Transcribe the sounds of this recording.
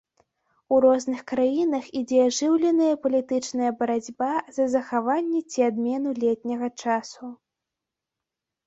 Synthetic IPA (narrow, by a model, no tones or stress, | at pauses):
uɾɔznɨxkɾajinɐxid͡zʲɛaʐɨwlʲɛnɐjɐpɐlʲit̪ɨt͡ʂnɐjɐbɐɾad͡zʲbazɐzɐxavanʲːɛt͡sʲiad̪mʲɛn̪ulʲɛt̪ʲnʲɐɣɐt͡ʂasu